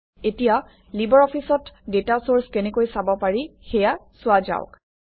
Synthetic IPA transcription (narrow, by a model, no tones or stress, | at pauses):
etija | libɔɹɔpʰisɔtdetasoɹskenekojsabɔpaɹixɛjasʊaza̰ʊk